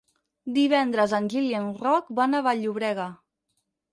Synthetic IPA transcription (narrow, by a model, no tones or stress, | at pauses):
d̪iβ̞ɛnd̪ɾəzənʲʒiliənrɔkbanaβaʎuβɾɛɣə